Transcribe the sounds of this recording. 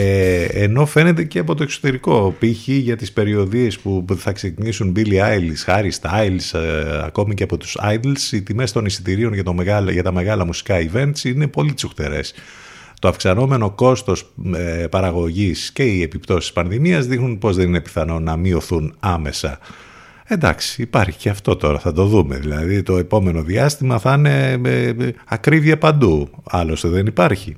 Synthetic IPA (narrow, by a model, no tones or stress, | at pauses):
eeno̞fe̞ne̞t̪e̞ceɐpo̞t̪okso̥t̪e̞ɾiko̞piçiʝɐt̪ispe̞ɾio̞ðie̞spuθɐksecinisunbiliajlsxɐɾist̪ɐjlsɐ̰ko̞miceɐpo̞t̪u̥sɐ̰jd̪lsit̪ime̞st̪o̞nisi̥t̪iɾio̞nʝɐt̪omeɣɐlʝɐt̪ɐmeɣɐlɐmusi̥kɐive̞nt̪sine̞po̞lit̪suxt̪e̞̰ɾe̞̰s | t̪o̞ɐfksɐno̞me̞no̞ko̞st̪o̞spɐɾɐɣo̞ʝisce̞ie̞pipt̪o̞si̥spɐnðimiɐzðixnunpo̞zðe̞nine̞pi̥θɐno̞nɐmio̞θunɐme̞sɐ̰ | end̪ɐ̰ksi̥ːpɐɾçi̥ceɐft̪o̞t̪o̞ɾɐ̰θɐt̪o̞ðume̞̰ðilɐðit̪o̞e̞po̞me̞no̞ðiɐst̪imɐθine̞ | ɐkɾiviɐpɐnd̪uɐlo̞st̪eðe̞nipɐɾçi